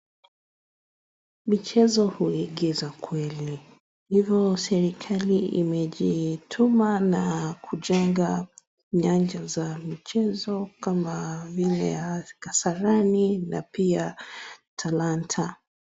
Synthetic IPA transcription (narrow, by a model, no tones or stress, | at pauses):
mit͡ʃɛzɔhuɛɠɛzakwɛli | hivjɔsɛɾikʰaliḭmɛʄitʰumanakʰuʄɛŋɡa | ɲand͡ʒazamit͡ʃɛzɔkamavilɛ̰jakasaɾanina̰piatʰalantʰa